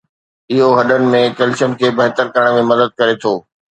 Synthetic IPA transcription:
ɪɦoɦɐɗənɪ̆mẽkɐlɪʃən̆kʰeːbɐɦt̪əɾkɐɾəɽ̃mẽmɐd̪əd̪̚kɐɾet̪ʰoː

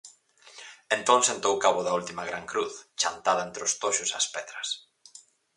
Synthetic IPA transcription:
ent̪õnsẽnt̪owkaβʊðɐult̪imɐɣɾaŋkɾuθt͡ʃant̪aðɐent̪ɾʊst̪oʃʊsɐ̰spɛðɾɐs

